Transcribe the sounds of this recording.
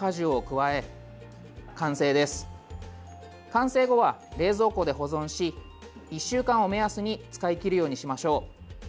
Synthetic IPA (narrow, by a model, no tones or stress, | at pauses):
aʑiokɯ̟βae̞ | kãɰ̃se̞ːd̪e̞sɨ̥ | kãɰ̃se̞ːɡo̞βaɾe̞ːzo̞ːko̞ːd̪e̞ɦo̞zõ̞ɰ̃ɕi | iɕːɨːkãɰ̃o̞me̞asɨɲ̟it͡sɨ̥kaikʲiɾɯ̟jo̞ːɲ̟iɕimaɕo̞ː